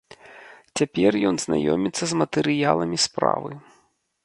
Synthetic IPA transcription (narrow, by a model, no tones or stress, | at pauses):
t͡sʲapʲɛrjɔnzna̰jɔmʲit̪sːɐzmɐt̪ɛɾɨjalˠɐmʲispɾa̰vɨ